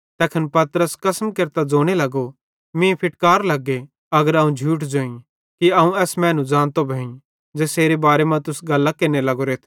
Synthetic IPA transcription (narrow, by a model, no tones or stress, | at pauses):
t̪ɛːkʰənpɐt̪ɾəskɐsəmkeɾt̪ad͡zoːɽ̃elɐɡo | mĩpʰɪʈkaːɾlɐɡːe | ɐɡəɾɐũd͡ʒʱuːʈd͡ʒoːĩ | kiɐũɛːsmɛ̃ːnũd͡ʒãːnt̪obʱɐːĩ | d͡ʒeːseːɾebaːɾemãt̪ʊsɡɐlːakeːnelɐɡoɾeːt̪ʰ